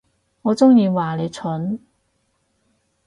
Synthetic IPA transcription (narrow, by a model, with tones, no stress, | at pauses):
ŋɔː˨˧t͡sʊ˥ŋjiː˧waː˨˩le˨˧jt͡sʰɵ˨˥n